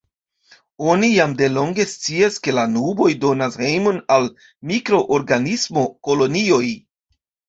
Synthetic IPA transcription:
o̞nijamde̞lo̞ŋɡe̞st͡siaske̞lanubo̞jdo̞nashe̞jmo̞nal | mikɾo̞ʔoɾɡanismo̞ko̞lo̞nio̞j

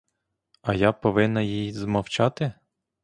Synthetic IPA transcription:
ɐjɑpɔʋɪnːɐjijzmɐwt͡ʃɑt̪ɪ

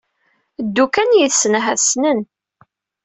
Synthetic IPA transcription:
d̪ːukænjiθsənɦæðsnən

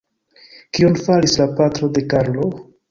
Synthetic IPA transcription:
kionfalislapatɾo̞de̞kaɾlo̞

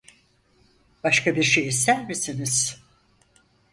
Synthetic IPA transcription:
b̥aʃkabiɾʃejis̬t̪ʰæɾmisiniz̥

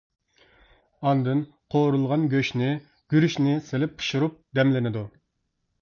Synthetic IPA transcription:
ɑnd̪ɨn | qʰoɾulˠʁɑnɡʲøʃnɪ | ɡ̥ʲyɾyʃnɪselɪp̚ːʰɨ̥ʃuɾup̚d̪ɛmlɪnɪd̪u

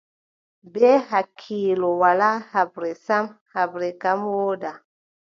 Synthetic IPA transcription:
bɛhakʰiːlowalahabɾesamhabɾekamwoda

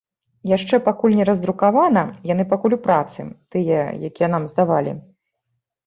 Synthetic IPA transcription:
jaʂt͡ʂɛpakulʲnʲɛɾɐzd̪ɾukavanɐjan̪ɨpakulʲupɾat̪sɨ̰t̪ɨjɐjakʲijɛnamzd̪avalʲḭ

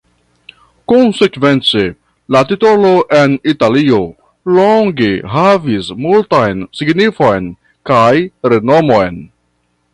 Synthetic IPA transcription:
konsekve̞nt͡se̞ | latito̞lo̞ʔe̞nitalio | loŋɡeɦavismultajnsiɡnifo̞jn | kajɾe̞nomo̞jn

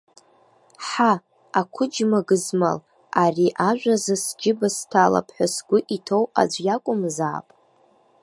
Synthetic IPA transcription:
ħa | akʷʰʊd͡ʒmaɡɨzma̰l | ariʔaʒᶣʷazasd͡ʒɪbastʰala̰pʰħʷasɡʷʊʔitʰowa̰d͡ʒʷjakʷʼʊmza̰ːpʼ

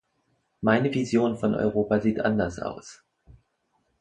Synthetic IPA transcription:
maɪnəvizjoːnfɔnʔɔ̰ʏʁ̞oːpaziːtʔa̰ndɐsʔa̰ʊs

